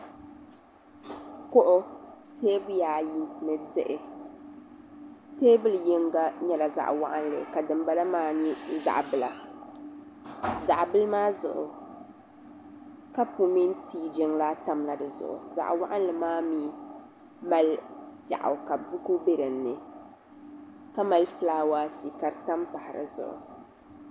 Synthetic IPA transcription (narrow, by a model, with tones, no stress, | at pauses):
ko˦ʔʊ˦ | teː˦bɨ˦jaː˨ji˦nɨ˨dɨ˦ʔɪ˨ | teː˦bɨ˦ljɪ˦ŋɡa˦ɲɛ˨la˨za̰˨ʔwa̰˦ʔa˦nlɨ̰˨ka˨dɨ˨mba˨la˦maː˦ɲi˦za̰˨ʔbɨ˦˨la˨ | za˨ʔbɨ˦lmaː˦zʊ̰˨ʔʊ̰˨ | ka˦pu˨mi˦ntiː˦d͡ʒɪ˦ŋla˦ta˨mla˦dɨ˨zʊ̰˨ʔʊ̰˨za̰˨ʔwa˦ʔa˦n˦lɨ˨maː˦miː˦ | ma˦lpja̰˨ʔa̰˨wka˨bu˦ku˦be˦ɾɨ˨nːɨ˨ | ka˦ma˨lfɨ˦laː˦waː˦si˨ka˦ɾta˦mpa˨hɪ˨ɾɨ̰˨zʊ̰˨ʔʊ̰˨